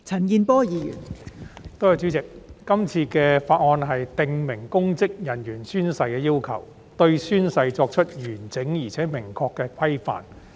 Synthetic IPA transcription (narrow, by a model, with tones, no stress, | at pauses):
t͡sʰɐ˨˩nkiː˧npɔː˥jiː˨˧jy̰ː˨˩nt̪o˥jɐ˧wt͡ʃy˨˥t͡sɪ˨k̚ːɐ˥mt͡sʰiː˧kɛː˧faː˧t̚ŋɔː˧nɦɐ˨jt̪ɪ˨ŋmɪ˨˩ŋkʊ˥ŋt͡sɪ˥k̚jɐ˨˩njyː˨˩nsyː˥nsɐ˧jkɛː˧jiː˥wkʰɐ˨˩w | t̪ɵ˧ɥsyː˥nsɐ˧jt͡sɔː˧k̚t͡ʃʰɵ˥t̚jyː˨˩nt͡sɪ˨˥ŋjiː˨˩t͡sʰɛː˨˥mɪ˨˩ŋkʰɔː˧kːɛː˧kʷʰɐ˥jfa̰ː˨n